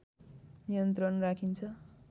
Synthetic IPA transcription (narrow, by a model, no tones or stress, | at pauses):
nijʌnt̪rʌnrakʰint͡sʰʌ